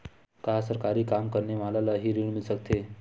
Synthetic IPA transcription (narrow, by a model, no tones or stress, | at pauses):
kasəɾkaɾiːkamkəɾnemalalaɦiːɾiɭmilsək̚t̪ʰe